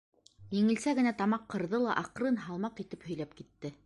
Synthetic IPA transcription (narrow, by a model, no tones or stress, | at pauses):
jɘ̆ŋɘ̆lsæɡɘ̆næt̪ɑmɑqʰːɤ̆ɾðɤlˠɑʔɑqɾɤnɦɑlˠmɑqit̪ɘphɵ̆jlæp̚kit̪ːɘ